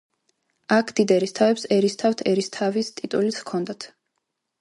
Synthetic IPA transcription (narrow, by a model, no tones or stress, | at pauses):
akʰd̪̥id̪ɛɾist̪ʰavɛpsɛɾist̪ʰaft̪ʰɛɾist̪ʰavist̪ʼit̪ʼulit̪skʰɔnd̪at̪ʰ